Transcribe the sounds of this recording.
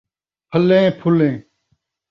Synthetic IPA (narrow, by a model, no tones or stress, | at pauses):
pʰəlẽːpʰʊlẽː